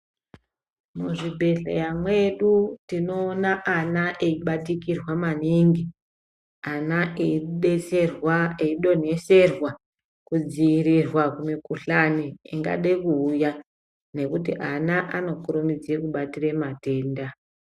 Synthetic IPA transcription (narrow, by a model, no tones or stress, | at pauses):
muʐibʱe̞ɬḛjamwe̞ɗutino̞ːnaʔanaʔeiɓatikirwamaniŋɡi | anaʔeiɗet͡serwaeiɗo̞ne̞se̞rwa | kud͡ziːrirwakumikuɬaniiŋɡa̰ɗekuːja | ne̞kutiʔanaʔano̞kuɾumid͡zekuɓatiremate̞ːnda